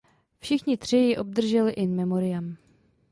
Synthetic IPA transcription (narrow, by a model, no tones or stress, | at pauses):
fʃɪxɲɪt̪r̝̥ɪjɪʔo̞b̚d̪r̩ʒɛlɪʔɪmɛmo̞ɾɪjam